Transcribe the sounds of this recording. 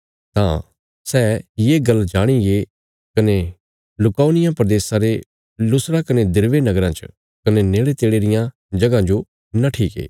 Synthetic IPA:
t̪ã̰ | sɛːjeːɡɐld͡ʒaːɽ̃iɡe | kɐne | lʊkaːnɪjãpɾɐd̪eːsãɾe | lʊsɾakɐned̪ɪɾʋenɐɡɾãt͡ʃə̥̰ | kɐneneːɭet̪eːɽeːɾɪjã | d͡ʒɐɡãd͡ʒo | naʈʰiːkḛː

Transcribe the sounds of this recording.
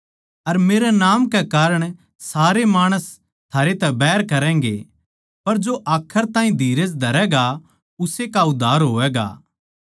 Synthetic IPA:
ɐɾmeːɾɛnaːmkɛkaːɾəɽ̃ | saːɾemaːɽ̃əs | t̪ʰaːɾet̪ɛbɛːɾkɐɾɛ̃ːŋɡḛ | pɐɾd͡ʒoʔaːkʰːəɾt̪ãːɦĩd̪ʱiːɾed͡ʒd̪ʱɐɾɛɡa | ʊsekaʊd̪ʱːaːɾɦoːʋɛːɡa̰ː

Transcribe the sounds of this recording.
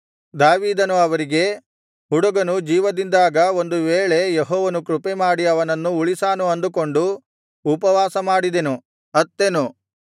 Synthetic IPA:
d̪aːʋiːd̪ɐnuɐʋɐɾiɡe̞ | ɦuɽuɡɐnud͡ʒiːʋɐd̪ind̪aːɡɐo̞nd̪uʋeːɭe̞jeɦɔːʋɐnukɾupemaːɽiɐʋɐnɐnːuuɭisaːnuɐnd̪uko̞ɳɖuː | pɐʋaːsɐmaːɽid̪e̞nu | ɐt̪ːe̞nu

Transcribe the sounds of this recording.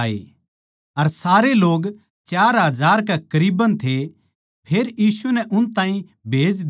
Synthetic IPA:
ḛ | ɐɾsaːɾeloːɡ | t͡ʃaːɾɦɐzaːɾk̬ɛkɐɾiːbənt̪ʰe | pʰeːɾjiːsunɛʔʊnt̪ãːĩ | bʱeːd͡ʒd̪

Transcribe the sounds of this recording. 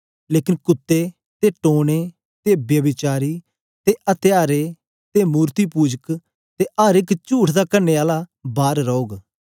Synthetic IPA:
leːkɪnkʊt̪ːeː | t̪eːʈoːɽ̃eː | t̪eːbjəbɪt͡ʃaːɾiː | t̪eːʔət̪ɪjaːɾeː | t̪eːmuːɾt̪iːpuːd͡ʒək | t̪eːʔaːɾɪkt͡ʃuːʈʰd̪aːkəɾneːaːlaːbaːɾɾɔoːɡ

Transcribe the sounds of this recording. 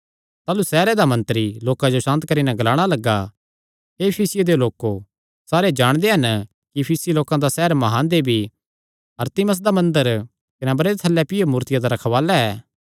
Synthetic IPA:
t̪aːlusɛːɾɛd̪amɐ̃nt̪ɾiloːkãd͡ʒosãːnt̪kɐɾinɛ̃ɡɐlaːɽ̃alɐɡːa | ɦepʰiːsɪjed̪eoloːko | saːɾed͡ʒaːɽ̃d̪eɦɐn | kipʰiːsiloːkãd̪asɛɦəɾmɐɦaːnd̪ebʱi | ɐɾt̪ɪməs̬d̪amɐ̃nd̪əɾ | kɐnɛbɐɾeet̪ʰɐlːɛpɪjemuːɾt̪ɪjad̪aɾɐkʰʋaːlaɛː

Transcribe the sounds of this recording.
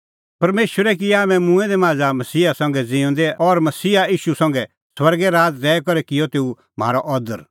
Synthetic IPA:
pɐɾmeːʃʋəɾɛkiaːmɛ̃mũɛ̃d̪ɛmaːd͡zamɐsiːasɐ̃ŋɡɛd͡zɪ̃ʊ̃nd̪ɛɔɾmɐsiːaiːʃusɐ̃ŋɡɛ | swɐɾɡɛɾaːt̪ɾɛːkɔɾɛkɪjɔt̪eːu | m̤a̰ːɾɔʔɔd̪əɾ

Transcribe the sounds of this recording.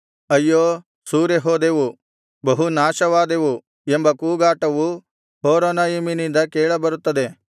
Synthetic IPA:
ɐjːoː | suːɾjɐɦoːd̪eʋu | bɐɦunaːʃɐʋaːd̪eʋu | embɐkuːɡaːʈɐʋu | ɦoːɾonajiminind̪ɐkeːɭɐbɐɾut̪ːɐd̪e̞

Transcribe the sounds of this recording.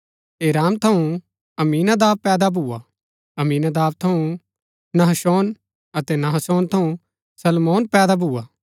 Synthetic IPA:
eːɾaːmt̪ʰɐũ | ɐmiːnad̪aːb̚pɛːd̪abʱuːa | ɐmiːnad̪aːb̚t̪ʰɐũ | nɐɦəsɔːn | ɐt̪ɛnɐɦəsɔːnt̪ʰɐũ | sɐlmoːnpɛːd̪abʱuːaː

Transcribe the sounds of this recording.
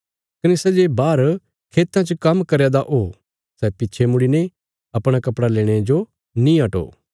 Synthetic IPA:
kɐnɪsɐd͡ʒebaːɾ | kʰeːt̪ːãt͡ʃəkɐmkɐɾed̪aʔo | sɛpɪtːt͡ʃʰemʊɽine | ɐpɽ̃akɐpɽaleːɽ̃ed͡ʒo | nĩɐʈo̰ː

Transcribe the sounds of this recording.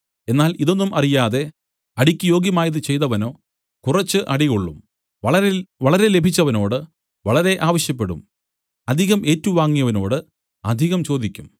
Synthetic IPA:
e̞nːaːliðo̞nːumʔɐrijaːðe̞ | ɐɽikʲːujo̞ːɡjɐmaːjɐðɨt͡ɕe̞jt̪ɐʋɐno̞ː | kurɐt͡ɕːɨʔɐɽiɣoɭːum | ɐɐʋɐɭɐɾe̞le̞bʱit͡ɕːɐʋɐno̞ːɽɨ | ʋɐɭɐɾe̞ʔaːʋɐɕjɐp̬ːe̞ɽṵm | ɐd̪ʱiɣɐmʔe̞ːtːɐʋuʋaːŋːijɐʋɐno̞̰ːɽɨ | ɐd̪ʱiɣɐmt͡ɕo̞ːd̪ʱikʲːum

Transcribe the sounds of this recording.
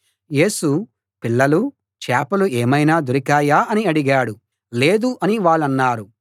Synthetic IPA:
je̞ːsu | piɭːɐlu | t͡ʃɛːpɐlueːmɐjnaːd̪uɾikaːjaːɐniɐɽiɡaːɽu | leːd̪uʔɐniʋaːɭːɐnːaːɾu

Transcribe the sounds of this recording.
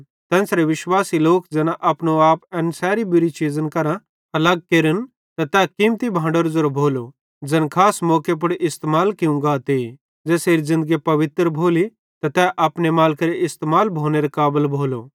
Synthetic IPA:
t̪ɛ̃ːnsɾeʋɪʃwaːsiloːkd͡zɛːnaʔɐpnoaːpɛ̃nsɛːɾibʊɾit͡ʃiːzənkɐɾã | ɐləɡ̚keːɾən | t̪ɐt̪ɛkiːmt̪ibʱãːɳɖəɾzoɾobʱoːlo | d͡ʒɛnkʰaːsmɔːkep̬ʊɽʔɪst̪emaːlkiũŋɡaːt̪eːi | d͡zɛːseːɾizɪ̃nd̪əɡiepɐʋɪt̪ɾbʱoːli | t̪ɐt̪ɛʔɐpnemaːlkɾeɪst̪emaːlbʱoːneɾekaːbəlbʱoːlo

